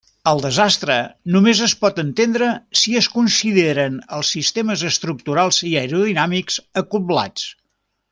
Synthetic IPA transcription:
əlˠd̪əzast̪ɾənumezəspɔt̪ənt̪end̪ɾəsiəskunsiðeɾənəlˠsːist̪eməzəst̪ɾuk̚t̪uɾalˠziəɾuðinamikz̥əkubla̰t͡s

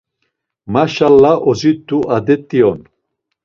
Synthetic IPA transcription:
maʃalːaʔɔzit̪ːuʔad̪ɛt̪ʼːiɔn

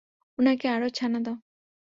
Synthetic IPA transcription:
unakeaɽot͡ʃʰanad̪ɔ

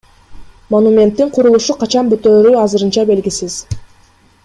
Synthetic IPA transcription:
monumʲe̞nt̪ːiɴqʰuɾulˠuʃuqʰɑt͡ʃɑnbøt̪øːɾyɑzɯɾɯnt͡ʃɑbe̞lɡisiz̥

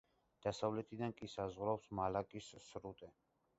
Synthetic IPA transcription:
d̪̥asavlɛt̪ʰid̪ankʼisazʁɾapsmalakʼisːɾut̪ʼɛ

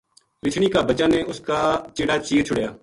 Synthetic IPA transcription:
ɾɪt͡ʃʰɳ̃iːkaːbət͡ʃaːnẽːʊskaːt͡ʃɪːɽaːt͡ʃiːɾt͡ʃʰʊɽjaː

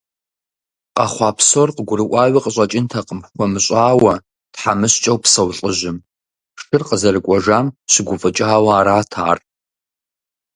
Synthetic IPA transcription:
qɑ̰χʷɑːpʰsorqəɡʷʊɾɨʔʷʼɑːɥʷiqəɕʼɐt͡ʃʼɪntʰɐqəmxʷɔmɨɕʼaːwɐ | tħamɨɕt͡ʃʼɐwpsɐwɬʼəʑɪm | ʂɨrqəzɐrɨkʷʼɔʒaːmɕɪɡʷʊfʼɨt͡ʃʼaːwɐaːɾaːtʰa̰ːr

